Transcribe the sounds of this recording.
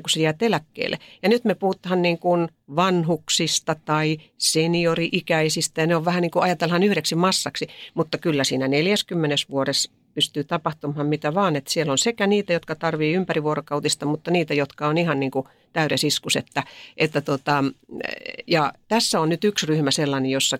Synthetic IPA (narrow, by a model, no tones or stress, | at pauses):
kusejæːt̪elækːḛːlːˑḛjɑnyt̪mepuhut̪ːhɑnniːŋkun | ʋɑnhuksist̪ɑt̪ɑisenioriʔikæisist̪æjɑneoʋʋæhæniːŋkuɑjɑt̪elhɑnyhɾeksimɑsːɑksimut̪ːɑkylːæsiːnæneljæskymːenesʋuoɾes | pyst̪yːt̪ɑpɑht̪umhɑmmit̪æʋɑːnet̪sielːonsekæniːt̪æjot̪kɑt̪ɑrʋiːympæriʋuorokɑut̪ist̪ɑmut̪ːɑniːt̪æjot̪kɑonihɑnniːŋku | t̪æyɾæsiskuset̪ːæʔet̪ːæt̪ot̪ɑ | jɑt̪æsːæonnyt̪yksryhmæselːɑnejjosːɑ